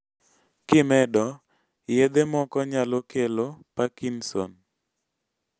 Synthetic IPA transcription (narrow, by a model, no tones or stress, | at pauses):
kɪmɛdɔ | jɛd̪emɔkɔɲalokelopakinsɔ̰n